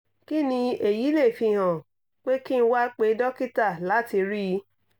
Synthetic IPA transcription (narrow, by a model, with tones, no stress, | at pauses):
ki˦nĩ˧e˨ji˨˦le˦˨fi˧˨ɦã˨ | k͡pe˦ki˦n̩˧wa˦k͡pe˨˦dɔ˦ki˦ta˦˨la˨˦ti˧ɾi˦ji˨˦